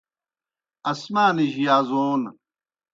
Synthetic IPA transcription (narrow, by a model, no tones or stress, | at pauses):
ɐsmaːniʑijaːzoːn